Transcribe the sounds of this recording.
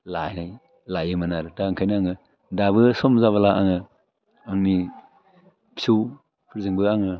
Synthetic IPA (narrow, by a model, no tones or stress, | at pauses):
lajnaj | lajɯmanaɾɯtaɯŋkʰajnaaŋɯ | dabɯsɔmzaβalaʔaŋɯ | aŋni | pʰsuw | pʰɯɾzɯŋbɯaŋɯ